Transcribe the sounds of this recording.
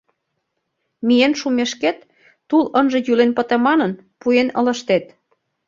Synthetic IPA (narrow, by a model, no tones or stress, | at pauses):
mijenʃumeʃket̪ː | ulənʒĕjylenpə̆t̪ĕmɑnə̆n | puenə̰̆lə̆ʃt̪et̪